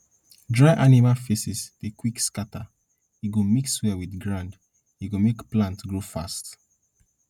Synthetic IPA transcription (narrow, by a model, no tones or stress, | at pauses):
dɹaɪʔanimalfesisdekwikskatʰa | iɡomikswɛwidɡɹãnd | iɡomekplãntɡɹofast